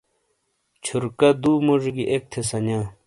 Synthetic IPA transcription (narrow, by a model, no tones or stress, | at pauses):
t͡ɕʰuɾkɐd̪uːmoʐɡiʔek̚t̪ʰesɐnãː